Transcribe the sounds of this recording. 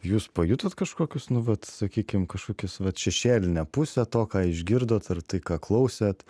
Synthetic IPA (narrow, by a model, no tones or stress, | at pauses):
juːspɐjʊt̪ɐt̪kɐʃkoːkʲʊsnʊʋɐt̪sɐkʲiːkʲɪmkɐʃkoːkʲɪsʋɐt̪ʃʲɛʃʲeːlʲɪnʲɛpʊsʲɛt̪oːkɑːɪʒʲɡʲɪɾd̪oːt̪ɐrt̪ɐɪkɑːklˠɐʊsʲɛt̪